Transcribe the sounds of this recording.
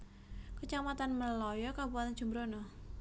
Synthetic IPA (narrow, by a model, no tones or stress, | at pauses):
kət͡ʃamat̪anməlɔjɔkabuat̪and͡ʒ̥ṳmbɾono